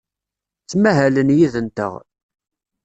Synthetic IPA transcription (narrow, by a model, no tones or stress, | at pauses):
t͡sːmæɦælənjiðənt̪ə̰ʁ